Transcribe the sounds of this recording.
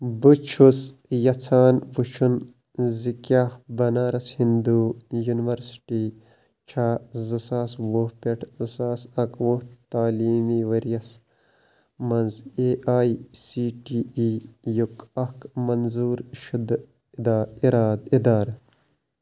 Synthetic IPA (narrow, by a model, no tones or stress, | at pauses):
but͡ʃʰusjɐt͡sʰaːnput͡ʃʰun | zikaːhbɐnaːɾɐshind̪ujuniʋɐɾsi̥ʈi | t͡ʃʰaːzɨsaːsʋohpeʈʰzɨsaːsɐkwoht̪aːliːmiʋɐɾjɐs | mɐnzeʔaːisiːʈiijukɐkmɐnzuːɾʃud̪ | d̪aːiɾaːd̪id̪aːɾ